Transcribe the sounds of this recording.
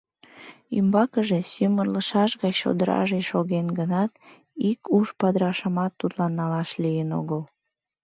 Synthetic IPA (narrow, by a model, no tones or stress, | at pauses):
ymbɑkəʒesymərləʃɑʃɣɑjʃo̰d̪əɾɑ̰ʒeʃoɣenɡənɑt̪ | ikuʃpɑd̪ɾɑʃəmɑt̪ːut̪lɑnːɑlɑʃlijəno̰ɣəl